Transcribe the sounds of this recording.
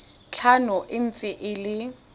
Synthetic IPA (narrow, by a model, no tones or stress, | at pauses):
t͡ɬʰanʊʔɪn̩t͡sʼɪʔɪlɪ